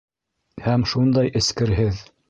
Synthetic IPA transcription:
hæmʃund̪ɑjʔɘ̆skɘ̆ɾɦɘð

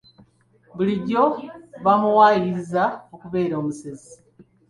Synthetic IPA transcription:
βuliɟo̞βamuwajiizaokuβe̞ːɾoːmusezi

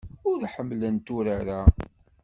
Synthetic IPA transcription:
ʊɾħəmːlənt̪uɾaɾa

